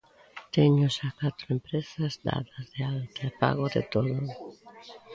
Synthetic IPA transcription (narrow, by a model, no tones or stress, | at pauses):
t̪eɲʊsakat̪ɾempɾesazd̪a̰ðazðealt̪aepa̰ɣoðḛt̪oðʊ